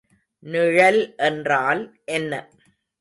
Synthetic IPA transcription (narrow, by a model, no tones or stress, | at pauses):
nɪɻɐlʔɛndraːlʔɛnːɐ̰